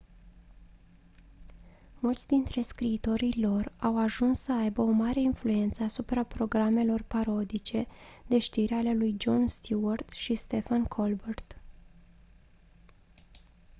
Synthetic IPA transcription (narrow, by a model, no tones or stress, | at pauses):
mult̪sʲd̪int̪ɾe̞skɾiːt̪o̞ɾijlo̞rawaʒunsːəajbəo̞maɾe̞influe̞nt̪səasupɾapɾo̞ɡɾame̞lo̞rpaɾo̞d̪it͡ʃe̞d̪̥e̞ʃt̪iɾeale̞lujd͡ʒo̞nst̪ʰuart̪ʃist̪e̞fankʰolbert̪